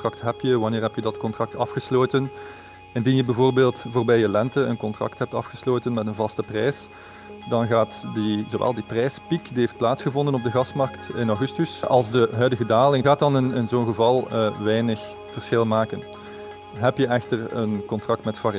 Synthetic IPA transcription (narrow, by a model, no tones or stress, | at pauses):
trɑk̚tɦɛpjəʋɑnɪːrɦɛpjədɑtkɔntrɑk̚tɑfxəsloːtən | ɪndinjəbəvoːrbeːlˠtvoːrbɛjəlɛntəənkɔntrɑ̰ktɦɛp̚tɑ̰fxəsloːtənmɛtənvɑstəprɛjs | dɑnɣaːtdizowʋʔɛ̰lˠdiprɛjspikdiɦeft̚plaːtsxəvɔndənɔb̚dəɣɑsmɑrktɪnɔwɣʏstysʔɑ̰lˠzdəɦœɥdəɣədaːlɪŋɣaːt̚ɑnɪnɪnzoːnɣəvɑlˠəʋɛjnəx | v̥ərsxɪlˠmaːkən | ɦɛpjəʔɛxtərə̰nkɔntrɑk̚tmɛtfar